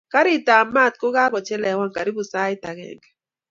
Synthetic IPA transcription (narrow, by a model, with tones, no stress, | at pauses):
ka˦ɾi˦˨ta˨ma˦˨t̪̚kʊ˦ɣa˦ɣɔ˨t͡ʃɛ˦lɛ˨wa˦ŋka˨ɾi˦βu˨sa˦ɪ˦ta˨ɣɛ̰˨ŋɡɛ˨